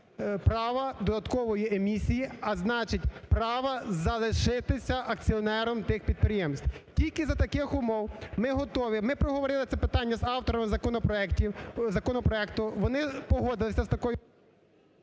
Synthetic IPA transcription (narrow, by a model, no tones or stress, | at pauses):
pɾɑʋɐd̪ɔd̪ɐt̪kɔʋɔjiemʲisʲijiɐznɑt͡ʃɪtʲpɾɑʋɐzɐlˠɪʃɪt̪ɪsʲɐʔɐkt͡sʲiɔnɛɾɔmt̪ɪxpʲid̪̚pɾʲɪjemsʲt̪ʲtʲilʲkɪzɐt̪ɐkɪxʊmɔwmɪɦɔt̪ɔʋʲimɪpɾɔɦɔʋɔɾɪlˠɪt̪sʲɛpɪt̪ɑnʲːɐzɑwt̪ɔɾɔmɪzɐkɔnɔpɾɔɛktʲiwzɐkɔnɔpɾɔɛkt̪ʊʋɔnɪpɔɦɔd̪ɪlˠɪsʲɐst̪ɐkɔjʊ